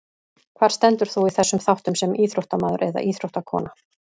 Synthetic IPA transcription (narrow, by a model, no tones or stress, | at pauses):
kʰvaːɾ̥st̪ɛnt̪ʏɾ̥θuiθɛsːʏmθawht̪ʏmsɛmiːθɾowht̪amaːðʏ̰ɾʔɛða̰ʔiːθɾowht̪akʰɔ̰ːna